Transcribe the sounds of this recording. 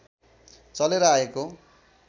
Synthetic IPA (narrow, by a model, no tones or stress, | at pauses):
t͡sʌleɾʌaeko